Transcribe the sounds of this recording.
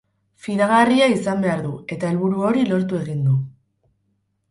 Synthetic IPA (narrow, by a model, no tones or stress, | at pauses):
fiɾaɣariaisambe̞aɾðue̞t̪ae̞lβuɾuo̞ɾilo̞ɾt̪ue̞ɣ̞ind̪u